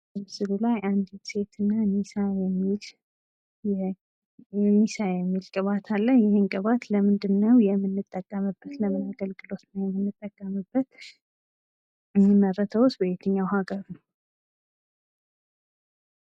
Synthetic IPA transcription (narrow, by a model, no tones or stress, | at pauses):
bsɨlulajʔand̪it̪se̞t̪ʰɨnːanisajɛmːil | jɛ | ɛnisajɛmːilkʼɨβat̪ʰalːəhjɪhɪnkʼɨβat̪ləmɨnd̪ɨnːəwjɛmːɨnːɨt̪ʼːəkʼːəmɨbːət̪ləmɨnaɡəlɡɨlo̞t̪nəwjɛmːɨnːɨt̪ʼːəkʼːəmɨbːət̪ | məɾət̪ʰəwʊsbəβet̪ʰɨɲːawhaɡəɾnəw